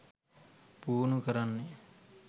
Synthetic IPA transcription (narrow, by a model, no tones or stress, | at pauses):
puːnukəɾanːe